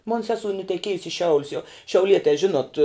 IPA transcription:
moːn ˈsʲæːsoːʊ nʊtʲɛˈkʲiɛjʊs ɪ ˈʃʲɛʊlʲʊs jɛʊ ʃʲɛʊˈlʲiɛtʲɛː ˈʒʲɪnoːt

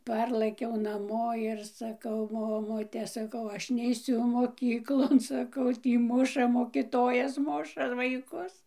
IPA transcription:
ˈpɐrlˠɘkʲɛʊ nɐˈmoː ɪr sɐˈkɐʊ ˈmoːmʊtʲɛ sɐˈkɐʊ ˈɐʃ nʲɛɪˈsʲʊ moːˈkʲiːklˠoːn sɐˈkɐʊ ˈtʲiː ˈmʊʃɐ moːkʲɪˈtoːjɛs ˈmʊʃɐ ʋɐɪˈkʊs

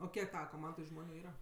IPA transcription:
oː ˈkʲiɛk ˈtɑːʋɐ koːˈmɐndoːj ˈʒmoːnʲʊ ˈiːrɐ

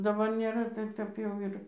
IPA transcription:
dɐˈbɐr nʲeːˈrɐ ˈtɐɪp kɐɪp ˈjɛʊ ɪr

